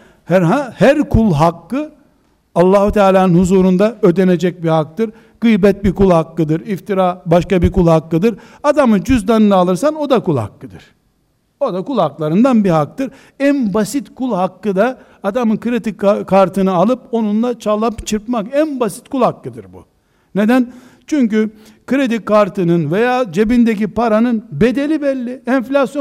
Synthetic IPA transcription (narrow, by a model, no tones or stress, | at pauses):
hæɾɦahæɾkʰulˠɦakːɯ | alˠːaːhut̪ʰaːlʲaːnɯnhuzuːɾund̪aød̪ene̞d͡ʒɛc̚bihak̚t̪ɯɾ | ɡ̥ɯjbɛt̪̚bikulˠhakːɯd̪ɯɾift̪ʰiɾaːbaʃkabikulˠhakːɯd̪ɯɾ | ad̪amɯd͡ʒyzd̪anɯnaːlˠɯɾsano̞d̪akulˠha̰kːɯd̪ɯɾ̥ | od̪akulˠhaklˠaɾɯnd̪anbiɦak̚t̪ɯɾ | ænbasit̪kʰulˠɦakːɯd̪a | ad̪amɯkɯɾed̪ikkʰːaɾt̪ʰɯnɯalˠɯpo̞nunlˠat͡ʃʰalˠapt͡ʃʰɯɾpmakænbasi̥t̪kulˠhakːɯd̪ɯɾbṵ | ne̞d̪æn | t͡ʃʰyɲcy | kɯɾed̪ikʰːaɾt̪ʰɯnɯnve̞jaːd͡ʒe̞bind̪ecipaɾanɯnbe̞d̪e̞lʲibɛlʲːiɛnflʲasjo